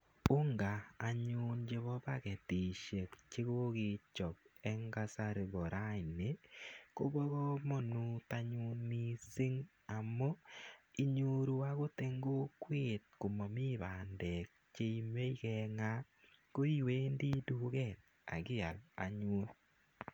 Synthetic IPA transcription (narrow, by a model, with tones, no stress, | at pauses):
ʊ˦ŋɡaː˨ɲu˦nd͡ʒe˨βɔ˦ba˦kɛ˨ti˨ʃe˨kt͡ʃɪ˦ko˦kɪ˨t͡ʃɔ˨k̚ɛ˦ŋɡa˦sa˦ɾe˨bɔ˨ɾa˦ɪ˨ne˨ko˦bɔ˦ɣɔ˦mɔ˦nu˦ta˦ɲu˦nmi˦sɪ˦ŋ | a˨mo˦i˦ɲo˦ɾu˦a˦ko˦te˦ŋɡo˦kwe˦˨t̚ko˨mɔ˨mi˦ba˨ndɛ˨k̚t͡ʃe˦i˦me˦i˦kɛŋa˦ | ko˦i˦we˦ndi˦du˦kɛ˨t̚ | a̰˨ɡɪ˦a˨la̰˨ɲuː˦n